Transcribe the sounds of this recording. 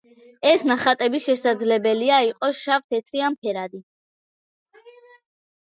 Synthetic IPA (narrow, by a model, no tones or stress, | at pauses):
ɛsnaχat̪ʼɛbisʃɛsad̪zlɛbɛliaiqʼɔʃaft̪ʰɛt̪ʰɾiampʰɛɾad̪i